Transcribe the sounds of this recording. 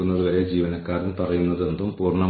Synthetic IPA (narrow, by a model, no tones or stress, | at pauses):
unːɐðuʋɐɾe̞d͡ʑiːʋɐnɐkːaːrinpɐrɐjunːɐðe̞nd̪umpuːrɳɐ